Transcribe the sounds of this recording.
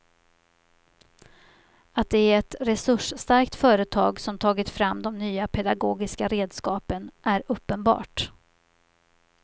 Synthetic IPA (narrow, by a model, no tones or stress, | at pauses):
at̪̚d̪ɛæɾɛt̪ɾɛsɵʂst̪aɾkt̪fœːɾət̪ʰɑːɡsɔmt̪ʰɑːɡɪt̪fɾamːd̪ɔmnyːapʰɛd̪aɡoːɡɪskaɾeːd̪skɑːpənʔæɾɵpːənbɑ̰ːʈ